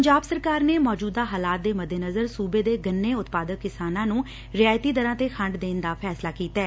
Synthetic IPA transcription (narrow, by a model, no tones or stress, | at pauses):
əɲd͡ʒaːbsəɾkaːɾneːmɔːd͡ʒuːd̪aːɦaːlaːt̪̚d̪eːməd̪eːnəzəɾsuːbeːd̪eːɡənːeːʊt̪paːd̪əkːɪsaːnãːnũː | ɾɪjaːjt̪iːd̪əɾãːt̪eːxʰə̃ɳɖd̪eːnd̪aːpʰɛːslaːkiːt̪aɛː